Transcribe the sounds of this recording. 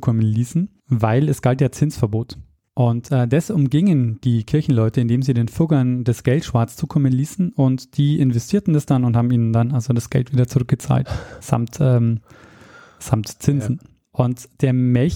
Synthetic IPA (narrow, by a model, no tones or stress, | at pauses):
kʰɔmənliːsn̩ | vaɪlɛsɡ̥altjaːt͡sɪnt͡sfɛɐboːt | ʔʊntɛːdɛsʊmɡɪŋənd̥iːkʰɪɐçn̩lɔʏtəɪndeːmziːdeːnfʊɡɐnd̥ɛsɡ̥ɛltʃv̥aɐt͡st͡suːkʰɔmənliːsn̩ʊntd̥iːʔɪnvɛstʰiːɐtn̩dasd̥anʊnthaːbm̩iːnəndanalzodasɡ̥ɛ̰ltv̥iːdɐt͡sʊʁʏk̚ɡ̥ət͡sa̰ːltz̥a̰mtʔɛːm | z̥amtt͡sɪnzn̩ | ʔʊntd̥eːɐmɛlç